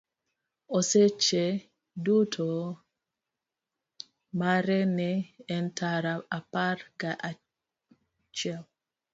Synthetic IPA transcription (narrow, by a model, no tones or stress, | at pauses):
ɔsɛt͡ʃːɛ | dutʰɔ | maɾɛnɛːntʰaɾaapaɾɡaʔa | t͡ʃaw